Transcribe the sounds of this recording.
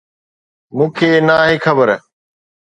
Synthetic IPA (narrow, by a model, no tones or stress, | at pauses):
mũːkʰeːnaːɦeːkʰəbəɾ